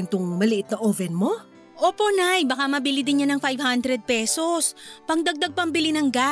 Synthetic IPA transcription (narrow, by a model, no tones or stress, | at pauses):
ɪnt̪ʊŋmɐlɪʔɪt̪̚nɐʔovɛnmo̞ | ʔo̞ːpo̞najbɐkamɐbɪlid̪ɪnɲanɐŋfajvhand̪ɾɛd̪̚pɛso̞spɐŋd̪ɐɡ̚d̪aɡ̚pɐŋbɪlinɐŋɡa